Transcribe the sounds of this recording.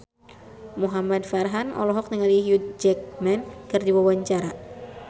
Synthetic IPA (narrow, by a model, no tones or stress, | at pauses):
muɦamad̚farɦanɔ̰lɔɦɔk̚nəŋaliɦjut̪̚d͡ʒɛk̚mɛnkɨrdiwawaɲt͡ʃaɾa